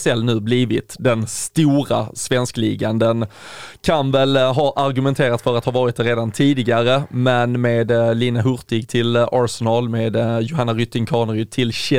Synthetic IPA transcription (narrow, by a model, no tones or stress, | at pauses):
sɛlːnʉ̟ːbliːvɪt̪d̪ɛnst̪uːɾa̰svɛnsklḭːɡand̪ənkʰanvɛlɦɑːʔaɾɡɵmɛnt̪ʰeːɾat̪fœɾat̪hɑːvɑːɾɪt̪̚d̪æɾeːd̪ant̪ʰiːd̪ɪɡaɾəmɛnmeːd̪liːnaɦɵɾt̪ɪɡt̪ʰɪlaɾsɛnɑːlmeːd̪jʊɦanːaɾʏt̪ːɪŋkʰɑːnɾʏt̪ʰɪlɕɛ